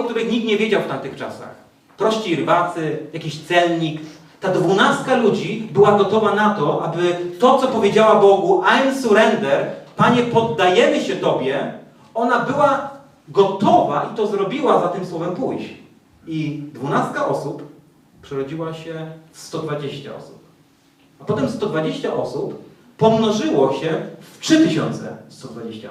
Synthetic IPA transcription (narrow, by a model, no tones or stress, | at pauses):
ɔkt̪uɾɘxɲik̚t̪ɲɛvʲjed͡ʑawft̪amt̪ɘxt͡ʂa̰sa̰x | pɾɔɕt͡ɕiɾbat̪sɘjakʲiɕt̪sɛlɲik | t̪ad̪vunast̪̚kalud͡ʑibɘwaɡɔt̪ɔvanat̪ɔʔabɘt̪ɔt̪sɔpɔvʲjed͡ʑawabɔɡuʔansuɾɛnd̪ɛɾpaɲɛpɔd̪ːajɛmɘɕɛt̪ɔbʲjɛ | ɔnabɘwa | ɡɔt̪ɔvaʔit̪ɔzɾɔbʲiwazat̪ɘmswɔvɛmpujɕ | id̪vunast̪̚kaɔsup | pʂɛɾɔd͡ʑiwaɕɛfst̪ɔd̪vad͡ʑeɕt͡ɕa̰ɔ̰su̥p̚ | apɔt̪ɛmst̪ɔd̪vad͡ʑeɕt͡ɕaʔɔsupː | ɔmnɔʐɘwɔɕɛftʂɘt̪ɘɕɔnt̪sɛ̰st̪ɔd̪vad͡ʑeɕt͡ɕa̰